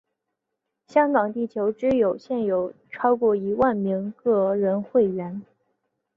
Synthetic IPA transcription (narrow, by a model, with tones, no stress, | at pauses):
ɕjɑ˥ŋkɑ˨˩ŋt̪i˥˩t͡ɕʰjo˧˥ʊʈ͡ʂɻ̩˥jo˨˩ʊɕjɛ˥˩njo˨˩ʊ | ʈ͡ʂʰɑ˥ʊkwɔ˥˩i˧˥wa˥˩nmi˧˥ŋkɤ˥˩ɻə˧˥nxwe˥˩ɪɥɛ˧˥n